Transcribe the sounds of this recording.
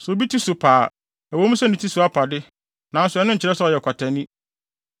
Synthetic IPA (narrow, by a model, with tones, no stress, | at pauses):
sʊ˨o˨bi˦tʰi˦sʊ˨pʰaː˨ | æ˨wõ˨˦mũ˦sɛ˦nɪ̃˨tʰi˦sʊ˨˦a˦pʰa˨dɪ˦ | nã˨n̩˦sʊ˨ɛ˦nʊ̃˦ɲ̩˨t͡ɕɪ˦ɾɛ˦sʊ˦ɔ˨jɛ˨kʰʷa˨tʰɛ̃˨nĩ˦